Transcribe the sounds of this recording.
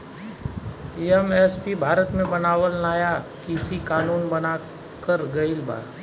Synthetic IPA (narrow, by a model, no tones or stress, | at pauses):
iɛmɛspibʱaːɾət̪mẽbɐnaːʋəlnaːjakiɪsikaːnuːnbɐna | kəɾɡɐɪlba̰ːɾ